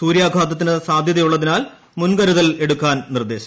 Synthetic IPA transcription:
suːɾjaːɡʱaːd̪ɐt̪ːinɨsaːd̪ʱjɐðɐjuɭːɐðinaːl | munɡɐɾuðɐle̞ɽukːaːnnird̪e̞ːɕɐ̥m

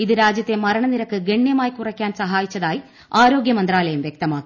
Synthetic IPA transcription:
iðɨɾaːd͡ʑjɐt̪ːe̞mɐɾɐɳɐniɾɐkːɨɡe̞ɳːjɐmaːjkurɐkʲːaːnsɐɦaːjit͡ɕːɐðaːji | aːɾo̞ːɡjɐmɐnd̪raːlɐjumʋjek̚t̪ɐmaːkːi

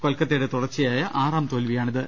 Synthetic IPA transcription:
kolkːɐt̪ːejɽet̪uɽɐrt͡ɕːijaːjɐʔaːraːmt̪o̞ːlʋijaːɳiðɨ

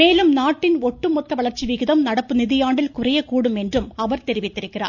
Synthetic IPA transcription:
meːlɯmnaːʈːɪnoʈːɯmɔt̪ːɐʋɐɭɐrt͡ʃːiʋiɣɪðɐmnɐɽɐpːɯniðɪjaːɳɖɪlkʊrɐjɐkuːɽɯmendrɯmɐʋɐrt̪eɾɪʋit̪ːɪɾɯkːɪra̰ː

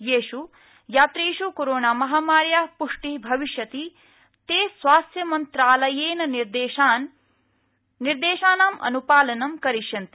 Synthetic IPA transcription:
jeːʃu | jaːt̪ɾiʃukoɾoːɳaːmɐɦaːmaːɾjaːpuʂʈibʱɐʋiʃjɐt̪i | t̪eːsʋaːst̪jɐmɐnt̪ɾaːlɐjeːnɐniɾd̪eːʃan | iɾd̪eːʃaːnaːmʔɐ̰nupaːlɐnɐmkɐɾiʃjɐnt̪i̥

